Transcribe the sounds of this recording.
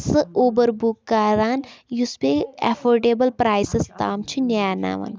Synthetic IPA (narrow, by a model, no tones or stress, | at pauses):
sɨoːbəɾbukːaːɾaːnjusbeɛ̰fʰoːɾɖeːbəlpɾaːjsest̪aːmt͡ʃʰinaːna̰ːʋɐ̰n